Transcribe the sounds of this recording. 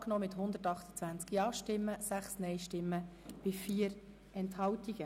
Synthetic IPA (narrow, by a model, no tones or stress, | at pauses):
knoːmɪt̪hʊnd̪ətɑχt̪ə̥t͡sʋænt͡skjɑːʃtɪmːəsæχsnɛɪʃtɪmːə | b̥ɪfiːəɾ | ɛnthɑwtiɡ̥ə